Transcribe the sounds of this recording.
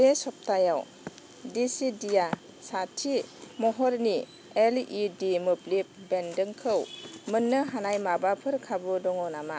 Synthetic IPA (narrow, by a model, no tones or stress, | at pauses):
esɔp̚tajaw | disidija | satʰimɔɦɔɾni | elidimɯplip̚bendɯŋkʰɯwmɯnːɯɦanajmabapʰɯɾkʰabɯdɔŋɔwnama